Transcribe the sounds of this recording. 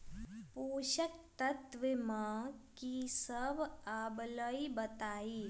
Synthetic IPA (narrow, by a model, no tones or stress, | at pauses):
puːʃək̚t̪ət̪ʋɪmãːkisəbaːbləibɐt̪aːiː